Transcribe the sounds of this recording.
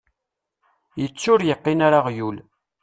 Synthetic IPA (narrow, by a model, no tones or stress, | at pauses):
jət͡sːʊɾjəqːinaɾaʁjul